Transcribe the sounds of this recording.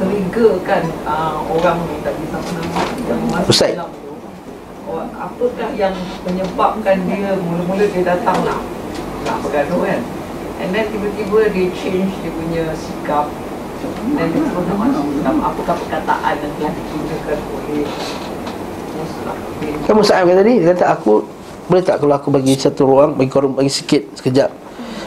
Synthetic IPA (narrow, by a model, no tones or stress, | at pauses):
t̪əɾiɡəkanəoɾaŋnut̪aʔdisamanamajaŋməmãsəsalap̚t̪u | ɔa̰pəkahjaŋməɲəbap̚kandiəmulʊʔmulʊt̪̚diədat̪aŋla̰hla̰hpəɡadokan | ʔɛ̰̃ndɛnt̪ibət̪ibədet͡ʃend͡ʒdepuɲasikap̚ | dɛndet̪əɾʊnaʔmanamtamapəkahpəkat̪a̰ʔanjaŋt̪əlahdikinɡəkanoleh | musəla̰hpətɪnkamusaʔakant̪adikat̪aʔaku | bələt̪aʔkaloakubaɡisat̪uɾuaŋbaɡikoɾʊŋbaɡisi̥kɪt̪̚sə̥kəd͡ʒaʔ